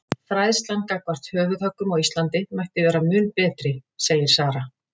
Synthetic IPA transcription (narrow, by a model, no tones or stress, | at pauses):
fɾajðst̪lankakvar̥t̪hœːvʏðhœkːʏmɔɣwist̪lant̪ɪmajhkt̪ɪvɛːɾamʏːnpɛːt̪ɾɪseːjɪɾ̥saːɾa